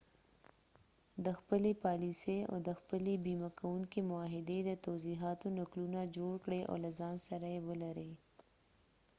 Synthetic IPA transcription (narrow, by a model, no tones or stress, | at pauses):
d̪əxpəlepɑliseo̰d̪əxpəlebimakawuŋkemʊɑɦɪd̪ed̪ət̪awziɦɑt̪onaklunad͡ʒoɽkɽeʔo̰lazɑnsaɾajewəlaɾe